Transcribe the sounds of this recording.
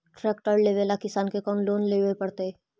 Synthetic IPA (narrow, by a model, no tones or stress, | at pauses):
ʈɾɛːk̚ʈəɾleːʋelakɪsaːnkekɔːnloːnleːʋepɐɽt̪eɛ